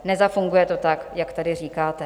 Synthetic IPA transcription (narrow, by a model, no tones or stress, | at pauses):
nɛzafuŋɡujɛt̪o̞t̪akjakt̪adɪr̝iːkaːt̪ɛ